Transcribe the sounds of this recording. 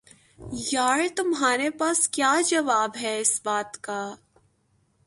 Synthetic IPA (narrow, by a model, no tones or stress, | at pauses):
jaːɾt̪ʊmɦaːɾepaːskjaːd͡ʒɐʋaːbɦɛɪsbaːt̪kaː